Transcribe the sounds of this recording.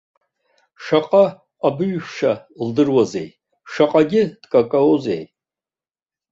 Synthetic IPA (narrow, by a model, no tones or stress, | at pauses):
ʂaqʼaː | bɨɥʃaldɨrwaze̞̰j | ʂaqʼaɡʲɪd̥kʼakʼaozḛj